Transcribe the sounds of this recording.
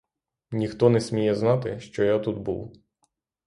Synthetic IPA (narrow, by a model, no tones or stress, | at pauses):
nʲixt̪ɔnɛsʲmʲijɛznɑt̪ɪʃt͡ʃɔjat̪ud̪bṵw